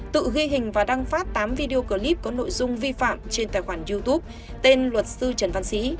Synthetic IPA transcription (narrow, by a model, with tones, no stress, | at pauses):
t̪ɨ̰˧˨ɣwi˧ɦï˨˩ŋ̟vaː˨˩ɗa˧ŋfaː˦˥p̚t̪aː˨˦mvi˧ɗi˧o˧kəː˧˩li˦˥p̚kɔ˨˦no̰˧˨jzʊ˧ŋ͡mvi˧fa̰ː˧˨mt͡ɕe˧nt̪aː˨˩jxwaː˧˩nzi˧t̪u˦˥p̚ | t̪e˧nlwə˨˩t̚sɨ˧t͡ɕə˨˧˩nva˧nsḭ˧˥